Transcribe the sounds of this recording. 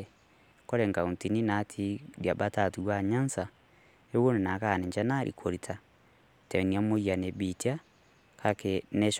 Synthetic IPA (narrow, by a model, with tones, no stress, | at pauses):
kɔ˦ɾɛ˨ŋɡa˨u˨nti˨ni˦natʰi˦ɾja˨bata˨tu˨wa˦ɲa˦nsa | e˦wo˦ne˨na˨ka˨nɛ˨ɲd͡ʒa˦naɾʔḭkʰo˨ɾitʰa | tɛ˨nia˦mo˦ja˨ne˨bitia˦ | ka˨kenɛ˦ʃ